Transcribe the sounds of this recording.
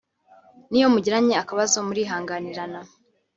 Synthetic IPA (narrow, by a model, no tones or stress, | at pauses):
nijo̞muɟiɾaɲeakaβazomuɾiːɦaːŋɡaniɾana